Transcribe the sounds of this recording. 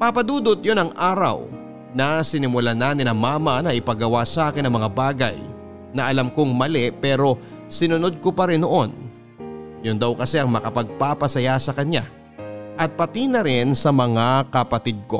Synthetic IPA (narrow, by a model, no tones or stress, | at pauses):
papɐd̪uːd̪ot̪̚jo̞nɐŋʔaːɾɐ̰w | nɐsɪnɪmʊlanaːnɪnɐŋmaːmɐnɐʔɪpɐɡɐwasɐaːkɪnɐŋmɐŋabaːɡɐ̰j | nɐʔɐlamkoŋmɐlɛpɛːɾo̞ | sɪnʊno̞d̪̚ko̞pɐɾɪnːoʔo̞n | jʊnd̪ɐwkɐsɛʔɐŋmɐkɐpɐɡ̚papɐsɐjasɐkɐɲa | ʔɐt̪̚pɐt̪inɐɾɪnsɐmɐŋakɐpɐt̪id̪̚ko̞